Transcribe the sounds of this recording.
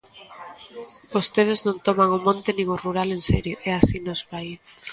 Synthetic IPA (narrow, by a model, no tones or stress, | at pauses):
bost̪eð̞eznõnt̪omaŋʊmõnt̪enĩŋʊruɾalensɛɾjoʔɛasinozβai